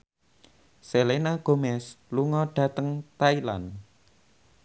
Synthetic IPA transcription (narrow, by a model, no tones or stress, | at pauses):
selenaɡ̥o̤mɛsluŋɔɖ̥ä̤t̪əŋt̪aila̰n